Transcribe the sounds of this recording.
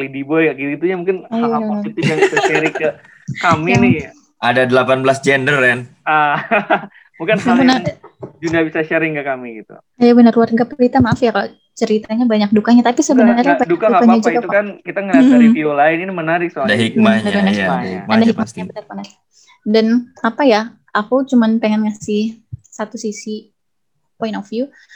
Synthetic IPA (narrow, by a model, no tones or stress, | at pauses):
lidibɔjaɡiɾit̪uɲamuŋkɪnajaaait̪ɪjaŋbisaʃəɾɪkə | kaminɪ | adadəlapanbəlasd͡ʒɛndəɾɛn | a | mukɪnməaŋkɪnad͡ʒudabisaʃəɾɪŋkəkamiɡit̪ṵ | ajabənərwarɡapɾit̪amaːfjakalo | t͡ʃəɾit̪aɲabaɲak̚dukaɲat̪apisəbənərɲarɲabdukaduŋakaɲad͡ʒuiɡatukankit̪aŋaifiulaɪninimənaɾɪk̚soaadaɦik̚maɲaanaaadaɦik̚maabənərmənaɾɪk̚ | danapaja | akut͡ʃumanpeŋɛnŋasɪhsat̪usisi | pɔinɔfiu